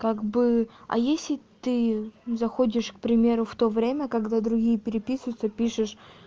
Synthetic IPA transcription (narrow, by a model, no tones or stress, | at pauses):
kaɡbɨɐ̰jesʲlʲɪt̪ɨzɐxodʲɪʂk̚pɾʲɪmʲe̞ɾʊft̪o̞vɾʲemʲəkɐɡd̪ad̪ɾʊɡʲijəpʲɪɾʲɪpʲisvʊt̪səpʲiʂɨʂ